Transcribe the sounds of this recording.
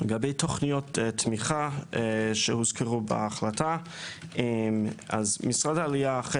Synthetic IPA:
leɡabejtʰoχnijotetmiχa | ʃehuzkʰeʁubḛaχlata | ʔemazmisʁadaːliaːχe

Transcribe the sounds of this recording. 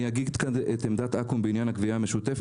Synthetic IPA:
aɡiɡt̪kanet̪emd̪at̪ʔakumbeinjanhakviameʃut̪ef

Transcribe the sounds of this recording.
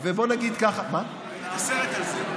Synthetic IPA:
vebo̞naɡid̪kaχama | oseet̪alze

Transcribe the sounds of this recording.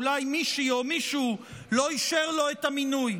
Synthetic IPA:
lajmiʃiomiʃu | lo̞iʃeʁlo̞et̪aminuj

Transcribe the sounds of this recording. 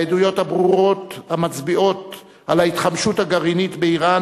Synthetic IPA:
ed̪ujo̞thabʁuʁo̞t̪hamat͡sbio̞t | ʔalait̪χamʃuthaɡaʁinit̪beiʁan

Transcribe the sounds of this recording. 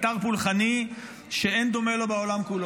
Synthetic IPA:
t̪aʁpulχani | ʃeend̪o̞melo̞beolamkulo

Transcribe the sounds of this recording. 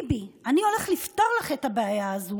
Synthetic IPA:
bianio̞le̞χlift̪oʁlaχetabeajaːzu

